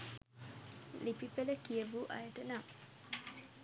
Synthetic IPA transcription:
lipipeləkijəbuʔa̰jəʈəna

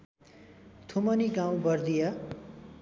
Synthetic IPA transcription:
t̪ʰumʌniɡãw̃bʌrd̪ijʌ

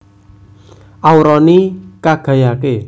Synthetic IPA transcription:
ʔawɾɔnikaɡ̥ä̤jake

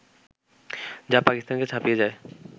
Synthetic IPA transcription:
d͡ʑapakist̪anket͡ɕʰapijed͡ʑae

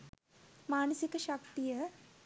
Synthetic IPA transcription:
maːnɐsikɐʃɐk̚t̪ijə

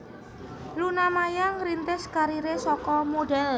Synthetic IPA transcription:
lunamajaŋɾint̪ɪskaɾiɾesɔkɔmoɖɛl

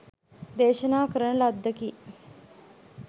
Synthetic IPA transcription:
d̪eːʃənaːkəɾəɳəlɐd̪ʱːəki

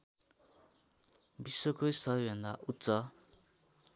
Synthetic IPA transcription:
bisːokojsʌbʌjbʱʌ̃nd̪aʔut̪ːsʌ

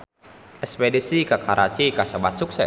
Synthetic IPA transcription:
ʔɛspɛdisikakʰaɾʔat͡ʃikasəbat̪̚suk̚sɛ

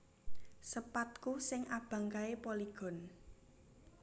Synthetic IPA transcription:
səpat̪̚kusɪŋʔab̥ä̤ŋkaepoliɡ̥ɔ̤n

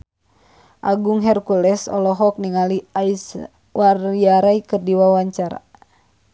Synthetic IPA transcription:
ʔaɡuŋɦɛrkulɛsɔ̰lɔɦɔk̚niŋaliais | wariaɾaikɨrdiwawaɲt͡ʃaɾa̰

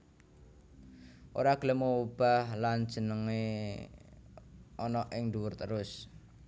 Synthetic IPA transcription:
ʔoɾaɡ̥ələmoub̥a̤hland̥ʒ̥ə̤nəŋe | ɔnɔʔɪŋduwʊrt̪əɾʊs

